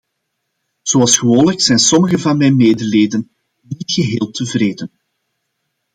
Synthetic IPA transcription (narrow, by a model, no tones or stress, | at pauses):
z̥oɑlˠsxəʋoːnləksɛjnsɔməɣəvɑnmɛjnmeːdəleːdən | nitxəɦeːlˠtʰəvreːdən